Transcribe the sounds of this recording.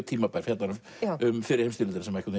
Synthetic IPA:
t̪ʰiːmapaɾ̥hjɛt̪naɾʏ | ʏmfɪɾɪɾheːmst̪iːlɪnɾasɛmaɾɛkʏt̪n

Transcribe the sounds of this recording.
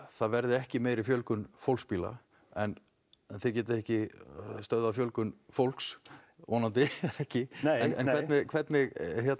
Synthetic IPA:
θaðvɛɾðɪɛhcɪmeːjɾɪfjœlkʏnfowlspiːla̰ | ɛn | θɪcɛːt̪ɪɛhcɪst̪œɥðafjœlkʏnfowlks | ɔːnant̪ɪɛhcɪɛnɛnʰɛt̪nɪkʰvɛt̪nɪɣçjɛt̪

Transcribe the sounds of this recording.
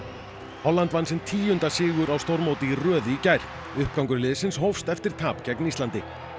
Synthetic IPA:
hɔlːant̪vanːsɪnt̪ʰiːjʏnt̪asɪːɣʏɾawst̪owɾmowt̪ɪirœːðʏicajɾ̥ | ʏhp̚kawŋkʏɾlɪːðɪsɪnsɦowfst̪ɛft̪ɪɾ̥t̪ʰaːpcɛknist̪lant̪ɪ

